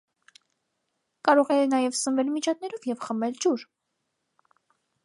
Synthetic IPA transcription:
kɑɾɔʁɛjɛnɑjɛvsənvɛlmit͡ʃʰɑt̪̚nɛɾɔvjɛvχəmɛld͡ʒuɾ

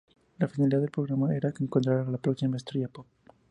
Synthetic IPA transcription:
lafinaliðaðelpɾo̞ɣɾamaeɾakeːŋkont̪ɾaɾaalapɾoksimaest̪ɾiapok̚

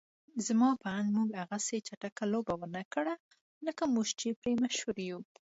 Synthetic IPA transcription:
zmɑpaand̪muɡaɣaset͡ʃaʈakalobawəɾnakəɽa | ləkamuʒt͡ʃepɾemaʃhuɾju

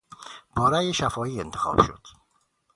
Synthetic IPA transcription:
bɒːɾæjeʃæfɒːiːent̪ʰexɒ̰ːb̥ʃo̰d̪̥

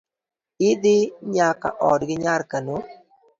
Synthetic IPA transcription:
ɪd̪ɪɲaka̰ʔɔdɡɪɲaɾkəno

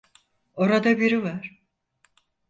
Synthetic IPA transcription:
o̞ɾad̪abiɾivaɾ̥

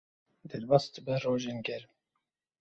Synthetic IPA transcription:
d̪ɛlbɑst̪bəroːʒenɡɛɾ

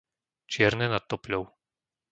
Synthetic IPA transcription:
t͡ʃɪɛɾnɛnat̪ːɔpʎʲɔʊ

